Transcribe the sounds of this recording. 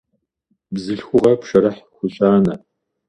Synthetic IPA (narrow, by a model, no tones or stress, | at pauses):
bzɨɬxʷʊʁɐpʂɐɾɐħxʷʊɕʼaːnɐ